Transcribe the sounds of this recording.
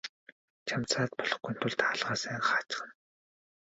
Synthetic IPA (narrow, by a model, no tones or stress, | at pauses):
t͡ɕʰamt͡sʰaːt̪pɔɮɞ̆χɡujn̥t̪ʰʊɮt̪ʰaːɮʁaːsæːɴχə̆χat͡ɕ̆χə̆n